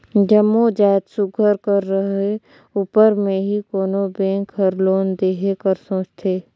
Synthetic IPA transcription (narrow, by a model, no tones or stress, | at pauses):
d͡ʒəmːod͡ʒaːjt̪sʊɡʱəɾkəɾːəɦe | uːpəɾmẽɦikoːnobẽːŋkɦəɾloːnd̪eːɦekəɾsõːt͡ʃt̪ʰeː